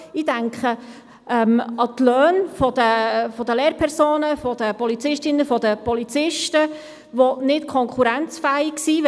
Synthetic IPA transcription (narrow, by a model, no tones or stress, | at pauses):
idæŋkχə | ɛmɑt̪lœːnfɔd̪̥əfɔd̪əleːɾpʰɛɾsoːnəfɔd̥̪əpɔlit͡sɪʃtɪnəfɔd̪əpɔlit͡sɪʃtə | ʋonɪtkʰɔŋkχuɾænt͡sfæɪksiːʋ